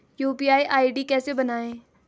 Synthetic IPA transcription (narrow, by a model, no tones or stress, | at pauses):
juːpiːaːiʔaːiɖikɛːsebənaːẽː